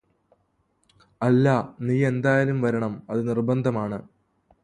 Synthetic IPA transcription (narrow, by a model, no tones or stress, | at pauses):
ɐlːɐniːe̞nd̪aːjalumʋɐɾɐɳɐmɐðɨnirbɐnd̪ʱɐmaːɳɨ